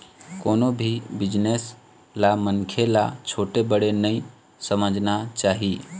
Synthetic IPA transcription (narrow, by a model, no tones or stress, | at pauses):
koːnobʱibɪd͡ʒnes | lamənkʰelat͡ʃʰoːʈebəɽenəĩ | səməd͡ʒʱnat͡ʃaːɦi